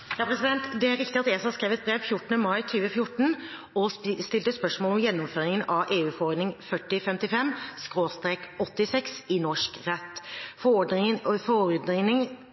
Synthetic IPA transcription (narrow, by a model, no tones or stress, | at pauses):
jɑpʰɾɛsɪd̪ɛnt̪d̪ɛæɾɪkt̪ɪɑt̪eːsɑskɾeːʋɛt̪̚bɾeːʋfjʊʈːənəmɑɪt̪ʰyːʋəfjʊʈːəɳ̩ | ɔst̪ɪlt̪əspœʂmoːlɔmjɛnːɔmføːɾɪŋənɑʋʔeːʉːfɔɔɾɖ̪nɪŋfœʈːɪfɛmt̪ɪfɛmːskɾoːst̪ɾeːkɔt̪ːɪsɛksɪnɔʂkɾɛt̪ːf | fɔɔɾd̪ɪŋ